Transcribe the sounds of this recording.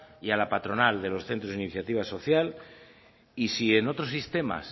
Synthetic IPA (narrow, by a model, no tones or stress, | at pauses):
ialapat̪ɾo̞nald̪e̞lo̞sθe̞nt̪ɾoziniθjat̪iβ̞aso̞θjal | isie̞no̞t̪ɾo̞s̬ist̪e̞ma̰s